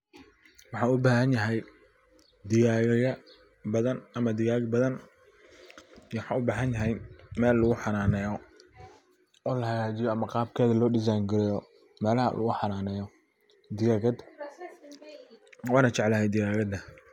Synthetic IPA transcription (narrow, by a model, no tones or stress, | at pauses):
wɑħɑːʊbaːhɐnjɐɦɛj | d̪ɪjaːɣɣɐ | bɐðɐnɐmɐd̪ɪɣaːɡbɐðɐn | ħɑʊbaːɦɐnjɐɦɛjmɛːlːʊɣʊħɑnaːnɛːjɔ | ɔːlɐhɐɣaːt͡ʃɪjɔɐmɐqɑːb̚kʰɛːðɐlɔːɖɪs̬ajnɡɪɾɪjɔ | mɛːlɐhɐ̰lɐ̰ɣʊħɑnaːnɛːjɔ | d̪ɪɣaːɣɐd̪ | wɑːnɐt͡ʃɛʕlɐhɛjd̪ɪjaːɣɐd̪ɐ